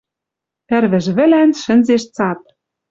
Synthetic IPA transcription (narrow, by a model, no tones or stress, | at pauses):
ɘ̆rβɘ̆ʒβɘ̆lænʃɘ̆nzeʃt͡sɑt̪̚